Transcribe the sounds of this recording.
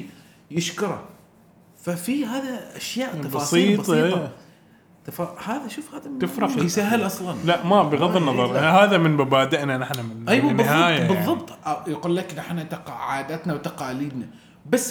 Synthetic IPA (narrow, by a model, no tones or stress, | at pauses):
jɪʃkʊɾˤɑ̰ | fafiɦaːðaʔaʃjaːʔt̪ɑfbɑːsˤiːtbɑˤ | t̪ɑfɑhaːðaʃuːfhaːðat̪ɪfɾɑqjsaɦalʔɑsˤlɑnlaʔmabɪɣɑðˤːɪnːɑðˤɑɾˤɦaːðamɪnmabaːd̪aʔnanɪħnamɪʔajwanːɪðhˤaɑːjabɨðˤːɑbt̪ˤjaquːlːakɾaħnat̪aqɑʕaːd̪at̪nawt̪ɑqɑːliːd̪na | basː